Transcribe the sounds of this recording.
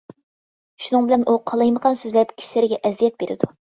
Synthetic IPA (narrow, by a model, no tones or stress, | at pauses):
ʃunɨŋbɪlɛnʔuqʰɑlˠɑjməʁɑnsøzlɛp̚kʲʰi̥ʃilɪɾɪɡʲɛʔɛzijɛt̪̚beɾɪ̰d̪u